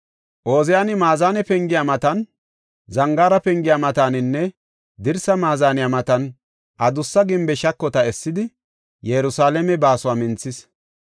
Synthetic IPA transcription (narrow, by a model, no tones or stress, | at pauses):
ʔo̞ːzɛjaːnɪmaːzaːnɛpɛŋɡɪjamɐt̪ɐn | zɐŋɡaːɾɐpɛŋɡɪjaːmɐt̪aːnɪnːɛ | d̪ɪɾsɐmaːzaːnɪjamɐt̪ɐn | ʔɐd̪ʊsːɐɡɪmbɛʃɐkːɔt̪ɐɛsːɪd̪ɪ | jɛɾʊsaːlɛmɛbaːsʊwaːmɪnt͡sːɪs